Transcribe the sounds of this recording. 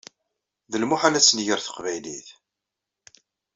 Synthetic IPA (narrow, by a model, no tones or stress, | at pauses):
ðəlmʊħalæt͡sːnʝəɾθə̥qvæjliθ